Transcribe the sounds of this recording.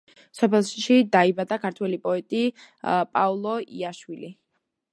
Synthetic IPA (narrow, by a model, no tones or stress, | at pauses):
sɔpʰɛlˠʃʃid̪aibad̪akʰaɾt̪ʰwɛlipʼɔɛt̪ʼipʼaulˠɔḭaʃwili